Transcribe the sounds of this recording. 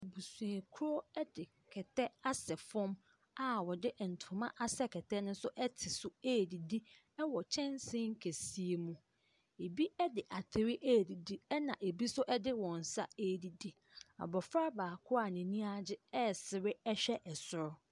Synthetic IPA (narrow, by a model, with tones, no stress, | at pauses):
bu˨sũ˨e˨kʰu˦ɾo˦ɛ˦dɪ˨ | kʰɛ˨tʰɛ˦a˦sɛ˨fɔ̃˦m | a˨wɔ˨dɪ˦ʔɛ˨n̩˨tʰʊ̃˨mã˦ʔa˦sɛ˦kʰɛ˨tʰɛ˦nʊ̃˦sʊ˦ʔɛ˦tʰɪ˨sʊ˦eː˦˨di˨di˦ | ɛ˦wɔ˨t͡ɕʰɛ̃˦n˦sɪ̃˦ŋ̩˦kʰe˨si˦e˨mũ˦ | e˨bi˦ɛ˦dɪ˨ʔa˨tʰɪ˨ɾɪ˦ʔe˦˨di˨di˦ɛ˦nã˨ʔe˨bi˦sʊ˦ʔɛ˦dɪ˦wɔ̃˨n̩˨sa̰˦e˦˨di˨di˦ | a̰˨bɔ˨fɾa˦baː˨kʰʊ˦a˨nɪ̃˨nĩ˦a˦d͡ʑɪ˦ɛ˦sɪ˨ɾɪ˦ɛ˦ɕᶣɛ˦ʔɛ˨sʊ˨ɾʊ˦